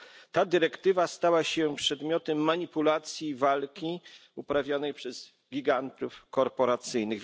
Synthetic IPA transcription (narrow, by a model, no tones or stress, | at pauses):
t̪ad̪ɘɾɛkt̪ɘvast̪awaɕɛpʂɛd̪mʲjɔt̪ɛmːaɲipulat̪sʲjivalkʲiupɾavʲjɔnɛjpʂɛz̥ | ɡʲiɡant̪ufkɔɾpɔɾat̪sɘjnɘɣ